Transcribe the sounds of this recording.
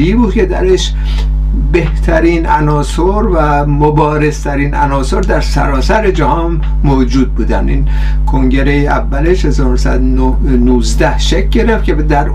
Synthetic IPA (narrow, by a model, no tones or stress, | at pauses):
ibuːd̪̚kʲʰe̞d̪æ̰ɾeʃ | beht̪ʰæɾiːnænɒːsoɾvæ | mobɒːɾe̞z̥t̪ʰæɾiːnænɒːso̞ɾd̪æɾsæ̰ɾɒːsæɾed͡ʒæhɒːn | moːd͡ʒuːd̪̚buːd̪æ̰nd̪iːn | kʰoŋɟe̞ɾejeʔævːæleʃhe̞zɒːɾonosæ̰d̪ | nuːzd̪æhʃek̚ʰʲɟe̞ɾeft̪kʲʰed̪æɾ